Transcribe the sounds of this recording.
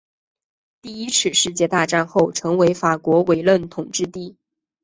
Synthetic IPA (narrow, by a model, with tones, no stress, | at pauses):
t̪i˥˩i˥t͡sʰɻ̩˥˧˩ʂɻ̩˥˧t͡ɕjɛ˥˧t̪a˥˧ʈ͡ʂa˥˧nxo˥˩ʊʈ͡ʂʰɤ˧˥ŋwe˧˥ɪfa˨˩kwɔ˧˥we˨˩ɪlwə˥˩nt̪ʰʊ˨˩ŋʈ͡ʂɻ̩˥˧t̪i˥˩